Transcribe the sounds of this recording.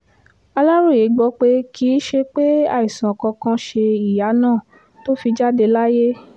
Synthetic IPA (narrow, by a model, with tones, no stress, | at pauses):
a˧la˦ɾu˦˨je˨˦ɡ͡bɔ˧k͡pe˧kʰi˨˦ʃe˧k͡pe˦a̰˧˨i˨sã˨ɔ˨kɔ̃˧kã˧ʃe˧i˨ja˨˦nãː˦˨ | to˦fi˧d͡ʒa˦de˧la˦je˦